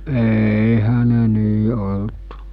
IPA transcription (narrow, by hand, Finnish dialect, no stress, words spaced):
eːihæ ne niː olt